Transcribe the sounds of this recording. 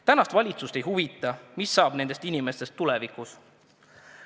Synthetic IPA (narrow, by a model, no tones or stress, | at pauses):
t̪ænɑst̪vɑlʲit̪sust̪e̞jɦuvit̪ːˑɑmisːɑːb̥ne̞nd̪e̞st̪inʲime̞st̪e̞st̪ːulɛvikus